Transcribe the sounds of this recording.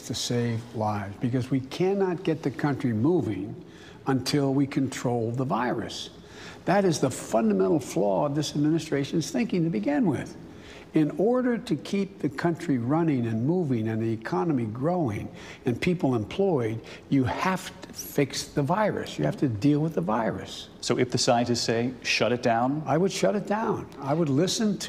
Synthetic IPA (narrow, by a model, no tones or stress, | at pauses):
tʰɨseɪvlaɪvzbɨkʌzwikʰænɑt̚ɡ̥ɛt̪̚ðɨkʰʌ̃nt͡ʃɹ̥imuvɪ̃ŋ | ə̃ntʰɪlˠwikʰɨ̃ntʰɹ̥oʊlˠðəvaɪɹɨ̰s | ðɨɾɨzðəfʌ̃ndəmɛ̃ɾ̃l̩ˠflɔʌvðɪsɨd̚mɪnɨstɹ̥eɪʃɨ̃n̩z̥θɪ̃ŋkɪ̃ŋtɨbɨɡɪ̃nwɪ̰ð̥ | ɪ̃nɔɹɾə˞ɾɨkʰip̚ðɨkʰʌ̃nt͡ʃɹ̥iɹʌnɪ̃ŋɨ̃nmuvɪ̃ŋɨ̃nðiɨkʰɑnəmiɡɹoʊɪ̰̃ŋ | ɨ̃npʰipl̩ˠə̃mpʰl̥ɔɪdjɨhæftʰə̥fɪksðəvaɪɹɨ̰sjɨhæftɨdilˠwəðəvaɪɹɨ̰s | soʊɨfðɨsãɪɨ̃nɨz̥seɪʃʌɾɨt̚d̥ãʊ̃naɪwɨd̥ʃʌɾɨt̚d̥ãʊ̃naɪwədˡlɪsɨ̃ntʰ